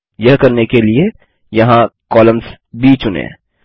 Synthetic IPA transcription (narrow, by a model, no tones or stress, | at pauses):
jɐɦkɐɾnekelie | jɐɦãkɔːlə̃ms | biːt͡ʃʊnḛ̃ː